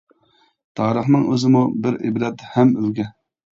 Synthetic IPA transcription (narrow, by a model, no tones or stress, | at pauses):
t̪ʰɑːɾəχnɨŋʔøzɪmubɪɾḛbɾɛt̪ːhɛmylɡʲɛ